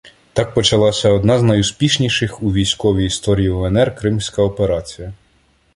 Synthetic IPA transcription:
t̪ɑk̚pɔt͡ʃɐlˠɑsʲɐɔd̪nɑznɐjuspʲiʃnʲiʃɪxuʋʲijsʲkɔʋʲiist̪ɔɾʲiiɔɛnɛrkɾɪmsʲkɐɔpeɾɑt͡sʲijɐ

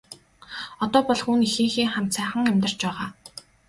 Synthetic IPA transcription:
ɔt̪ɔːpɔɮxunixĭŋxiːŋχam̥t͡sʰæːχə̆ŋæmʲt̪ə̆r̥t͡ɕpæːʁaː

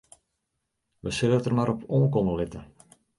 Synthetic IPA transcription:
ʋəsɪlətərmaɾɔpʰoːnkɔməlɪtə

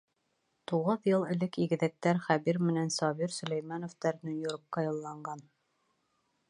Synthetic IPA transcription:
t̪uʁɤðjɤlˠɘ̆lɘkiɡɘ̆ðæk̚t̪æɾχæβiɾmɘ̆nænsɒβiɾsɵ̆læjmænŏft̪æɾnonjoɾp̚qɑjɤ̆lˠːɑɴɢɑn

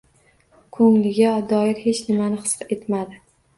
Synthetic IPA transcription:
kʰɵŋlɪɡʲad̪ɒɪɾhe̞t͡ʃnɪmanɪχɨ̥se̞t̪mad̪ɪ

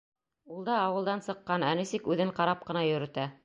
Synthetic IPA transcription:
ulˠd̪ɑːwɤ̆lˠd̪ɑnsɤ̆qːɑnænɘ̆sikʉðɘɴqɑɾɑp̚qɤ̆nɑjɵ̆ɾɵ̆t̪æ

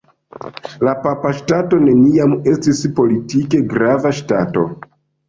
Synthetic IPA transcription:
lapapaʃtato̞ne̞niame̞stispo̞litike̞ɡɾavaʃtato̞̰

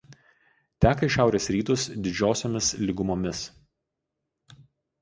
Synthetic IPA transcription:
t̪ʲæːkɐɪʃʲæˑʊɾʲeːsɾʲiːt̪ʊsd̪ʲɪd͡ʒʲoːsʲoːmʲɪslʲɪɡʊmoːmʲɪs

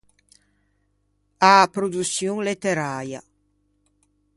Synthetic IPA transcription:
apɾod̪usjuŋlet̪eɾaːɾja

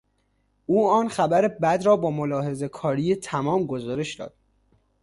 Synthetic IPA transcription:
ʔuːɒːnxæbæɾebæd̪ɾɒːbɒːmolɒːhe̞ze̞kʰɒːɾiːjet̪ʰæmɒːmɡozɒːɾe̞ʃd̪ɒ̰ːd̪̥̚

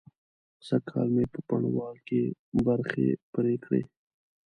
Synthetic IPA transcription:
sɐkʰɑ̰ːlmepəpɐɳwɑːlkebɐɾxḛpɾeːkʰɽḛː

